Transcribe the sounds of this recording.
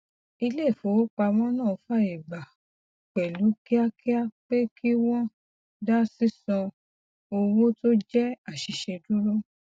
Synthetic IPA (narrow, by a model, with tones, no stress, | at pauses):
i˧le˦˨fo˨˦k͡pa˧w̃ɔ̃˦nãː˦˨˧fa˦˨e˨ba˨ | k͡pɛ˨lu˨˦ki˦a˦kʰi˦a˦k͡pe˦kʰi˦wɔ̃˦ | da˦si˦sɔ̃˧ | o˧wo˦to˦d͡ʒɛ˦a˦˨ʃi˨˧ʃe˧du˦ɾo˦